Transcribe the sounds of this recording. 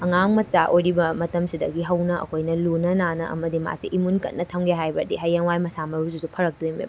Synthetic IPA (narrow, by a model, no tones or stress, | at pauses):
ɐŋaŋmɐt͡ʃaʔojɾibɐmɐtɐmsidɐ̰ɡiɦɐwnɐʔɐ̰kʰojnɐlunɐnanɐʔɐ̰mɐdima̰siʔimunkɐ̰t̚nɐtʰɐŋɡeɦajbɐdiɦɐjːaŋwajmɐsamɐɾususupʰɐɾɐk̚dujmḛb